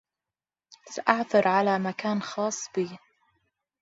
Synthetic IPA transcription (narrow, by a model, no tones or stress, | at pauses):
saʔaʕθɑɾʕalaːmakaːnxɑːsˤːb̥iː